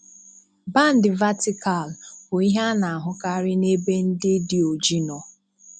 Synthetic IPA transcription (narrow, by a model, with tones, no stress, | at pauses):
ba˦˨n̩˦dɪ˨va˦tɪ˦ka˨lbʊ˨i˦ɦa˦na˨a˨ɦʊ˦ka˦ɾɪ˦ne˦be˦n̩˦dɪ˦dɪ˦o˨d͡ʒi˦nɔ˨